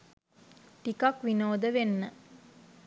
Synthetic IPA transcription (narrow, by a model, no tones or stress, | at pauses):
ʈikakʋinoːd̪əʋenːə